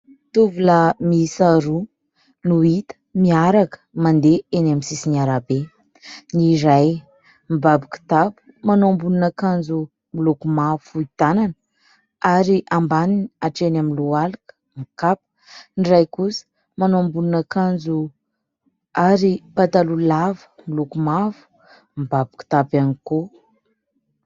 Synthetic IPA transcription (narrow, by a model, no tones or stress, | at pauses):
t̪uvulamiisaɾu | nuit̪ə̥miaɾakə̥mand̪eenamisisinaɾabe | niɾaj | mibabiku̥t̪apu̥manoambununakand͡zu | milokumafuit̪ananə | aɾiʔambaniniaʈ͡ʂenaminlualakə̥ | mikapə̥ | nirajkusə̥ | manoambununakand͡zu | aɾipat̪alulavə̥milokumavu̥ | mbabiku̥t̪apaniko